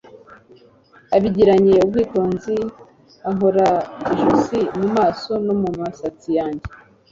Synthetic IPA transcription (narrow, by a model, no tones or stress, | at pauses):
aβiɟiɾaɲe̞ub̚ɡwiːto̞ːnzi | aɦo̞ɾaiʒusimumaːso̞no̞mumasat͡sijaːɲɟe